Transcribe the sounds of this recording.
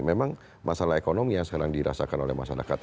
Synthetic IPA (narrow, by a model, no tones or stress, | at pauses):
memaŋ | mʔasalaɦekonɔmjaŋsəkaɾaŋdiɾa̰sakanolɛ̰hmaʃaɾa̰kat̪̚